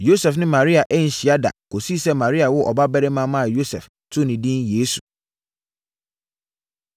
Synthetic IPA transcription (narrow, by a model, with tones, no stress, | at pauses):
jo˦sɛ˨fnɪ̃˦mã˨ɾi˦a˨ʔɛ˦n̩˨ɕi˨a˦da̰˨ko˨si˦sɛ˦mã˨ɾi˦a˨wʊ˦ʔɔ̰˨ba˦bɛ˦ɾɛ˦mã˦mã˦a˨jo˦sɛ̰˨f | tʰʊ˦nɪ̃˨dĩ˦njeː˦su̥˨